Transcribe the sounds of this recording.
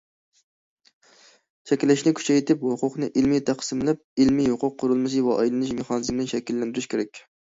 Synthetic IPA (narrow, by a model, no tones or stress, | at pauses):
t͡ʃʰɛkʲlɪʃnɪkʲʰy̥t͡ʃʰɛjt̪ʰɪphʊqʰʊqnɨʔilmit̪ʰæqsɨmlæp̚ilmihʊqʊqʰːʊɾɨlˠmɨs̬ɨvɛʔɑjlˠɨnɪʃmeχɑːnɨzmnɪnʃɛkʲilːɛnd̪yɾyʃkʲʰeɾɛkʲ